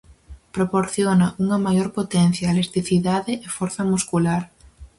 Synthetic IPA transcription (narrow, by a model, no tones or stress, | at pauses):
pɾopoɾθjonaʔuŋɐmajoɾpot̪ɛn̟θjalest̪iθiðaðɪʔefoɾθɐmuskulaɾ